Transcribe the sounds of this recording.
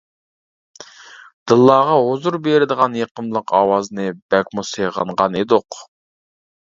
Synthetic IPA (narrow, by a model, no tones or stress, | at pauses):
d̪̥ɨlˠːɑːʁɑozuɾbeɾɪd̪əʁɑnjeqəmlˠəqʰɑ̰wɑznɨbɛkʲmuseʁɑ̰ɴʁɑned̪oq